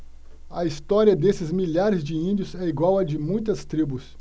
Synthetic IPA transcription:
ɐist̪ɔɾiɐd̪esɪzmiʎaɾɪzd͡ʒɪĩnd͡ʒiʊzɛiɡwawɐd͡ʒɪmũj̃t̪ɐst̪ɾibʊs

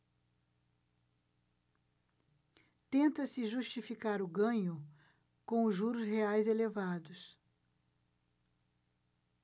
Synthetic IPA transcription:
t̪ẽnt̪ɐsɪʒuʃt͡ʃifikaɾʊɡɐ̃ɲʊ | kõʊʒuɾʊsɦeajzelevad̪ʊs

